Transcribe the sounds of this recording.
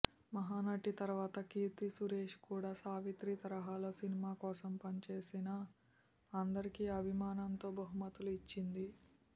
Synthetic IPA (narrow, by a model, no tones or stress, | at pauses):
mɐɦaːnɐʈːit̪ɐɾʋaːt̪ɐkiːt̪isuɾeːʂkuːɽaːsaːʋit̪ɾit̪ɐɾɐɦaːloːsinimaːkɔːsɐmpɐnit͡ʃe̞ːsinɐ | ɐnd̪ɐɾikiːɐbʱimaːnɐnt̪oːbɐɦumɐt̪uluit͡ʃːind̪i